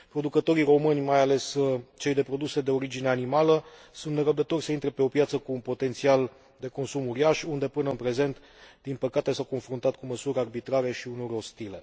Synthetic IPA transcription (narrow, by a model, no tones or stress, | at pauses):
pɾo̞d̪ukət̪o̞ɾiɾo̞mɨnʲmajale̞st͡ʃe̞jd̪e̞pɾo̞d̪use̞d̪e̞o̞ɾid͡ʒine̞animalə | sunt̪neɾəb̚d̪ət̪o̞rʲsəint̪ɾepe̞o̞pjat̪səkuːnpo̞t̪e̞nt̪sial | d̪e̞ko̞nsumuɾiaʃund̪e̞pɨnəɨnpɾe̞ze̞nt̪ | d̪̥inpəkat̪e̞sawko̞nfɾunt̪at̪̚kuməsuɾʲarbit̪ɾaɾe̞ʃiunorʲo̞st̪ile̞̰